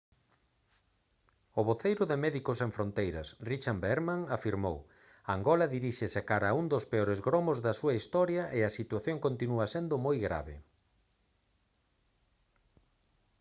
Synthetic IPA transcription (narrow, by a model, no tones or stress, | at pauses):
ʊβoθejɾʊðemɛðikoseɱfɾont̪ejɾɐsrit͡ʃambeɾmaŋafiɾmo̰w | aŋɡɔlɐðiɾiʃeseakaɾaund̪ospeɔɾezɣɾomozðɐsuɐist̪ɔɾjɐʔeɐsit̪waθjoŋkont̪inuɐsend̪ʊmojɣɾa̰βɪ̰